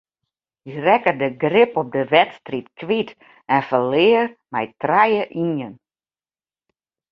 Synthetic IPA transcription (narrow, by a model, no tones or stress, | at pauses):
irɛkədəɡrɪpɔp̚dəʋɛtstritkʰʋit | ɛnfəlɪːərmɛjtrajəʔiən